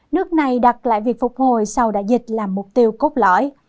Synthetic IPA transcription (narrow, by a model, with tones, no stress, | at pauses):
nɨ˦˥ək̚na˨˩jɗa˨˩t̚la̰ː˧˨jvi˨˩ək̚fʊ˨˩k͡p̚ho˨˩jsa˧wɗa̰ː˧˥zï˨˩t̚laː˨˩mːʊ˨˩k͡p̚t̪i˧əwko˦˥k͡p̚lɔ̰˧˥˦j